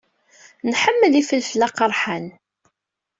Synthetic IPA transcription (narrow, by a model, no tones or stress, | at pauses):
nħəmːəlifəlfəlːaqəɾˤħan